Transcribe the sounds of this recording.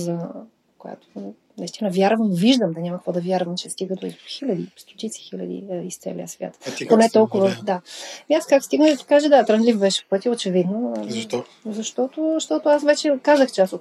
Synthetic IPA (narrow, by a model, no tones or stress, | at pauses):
zɐ | koja̰t̪o̥ | nist̪inɐvʲjaɾvəmviʒd̪əmd̪ɐɲʲamɐkvɔd̪ɐvʲjaɾvɐmt͡ʃɛst̪iɡəd̪oizxilʲɐd̪ḭst̪o̥t̪it̪si̥xilʲɐ̰d̪ḭist̪sɛ̰lʲḭjəsvʲja̰t̪ponɛt̪ɔlˠkʊvɐd̪aiaskakst̪iɡnd̪ɐt̪i̥kaʒɛd̪at̪ɾɐnlʲifbɛʃɛ̥pɤt̪ʲiot͡ʃɛvid̪no | zɐʃt̪ɔt̪oʃt̪ɔt̪ʊasvɛt͡ʃɛkazəxt͡ʃɛasot̪